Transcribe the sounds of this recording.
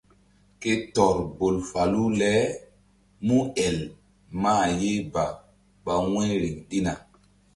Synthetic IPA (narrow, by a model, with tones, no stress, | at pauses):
ke˦tɔ˨ɾbo˨lfa˨lu˦lɛ˦ | mũ˦ɛ˨l | maː˦˨je˦ba˨ | ɓa˨wɛ̃˦ɾe˨ŋɗi˦na˨